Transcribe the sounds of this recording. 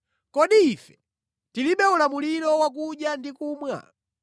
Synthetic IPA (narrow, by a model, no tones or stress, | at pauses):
kɔɗiifɛ̥ | tiliɓɛulamuliɾɔwak̬uɗjandikuːmwa̰